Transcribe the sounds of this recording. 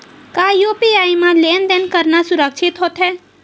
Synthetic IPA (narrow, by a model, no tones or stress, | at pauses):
kajopiajmãlend̪enkəɾnasuɾək̚t͡ʃʰit̪ɦot̪ʰɦɛ